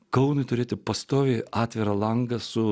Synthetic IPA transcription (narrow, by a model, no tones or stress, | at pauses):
kɐʊnʊɪt̪ʊɾʲeːt̪ʲɪpɐst̪oːʋʲeːɑːt̪ʲʋʲɪɾɐlˠɐŋɡɐsʊ